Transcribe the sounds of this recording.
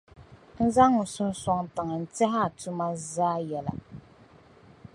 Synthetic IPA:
n̩˦za˦ŋːʊ˨sʊ˦n˦sɔ˦ŋta˨ŋa˨n̩˨tɛ˦ɦa˦a˨tu˦ma˦zaː˦jɛ˨la̰˨

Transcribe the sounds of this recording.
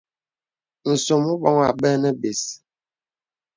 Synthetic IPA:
n̩˨so˨mu˦ɓɔ˦ŋa˨ɓɛ˦nɛ˦be˨s

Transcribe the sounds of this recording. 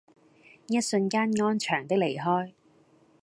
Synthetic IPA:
jɐ˥t̚sɵ˧nkaː˥nŋɔː˥nt͡ʃʰœː˨˩ŋt̪ɪ˥k̚le˨˩jɦɔː˥j

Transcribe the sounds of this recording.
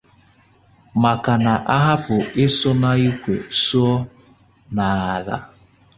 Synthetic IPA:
ma˨ka˨na˨ʔa˦ɦa˦pʊ˨ɪ˦sɔ˦na˦i˦kʷḛ˨su˦ɔ˦ | na˨a˨ða̰˦

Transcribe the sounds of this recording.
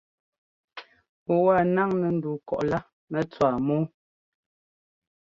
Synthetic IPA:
ɔ˨wa˦˨na˦ŋnɛ˨n̩˦du˨kɔ̰˨ʔla˦ | nɛ˦t͡swaː˨moː˦

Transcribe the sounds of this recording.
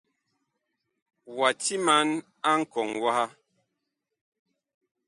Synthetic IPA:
wa˨ti˦ma˨˦n | a˦ŋ̩˦˨kɔ˨ŋwa˦ha˦

